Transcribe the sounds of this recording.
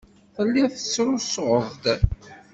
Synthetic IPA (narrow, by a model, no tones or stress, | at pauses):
θəlːiθət͡sːɾʊsʁəðˤd̪